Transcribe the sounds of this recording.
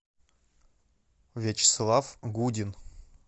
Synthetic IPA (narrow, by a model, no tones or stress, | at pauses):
vʲet͡ɕɪ̥slˠafɡudʲin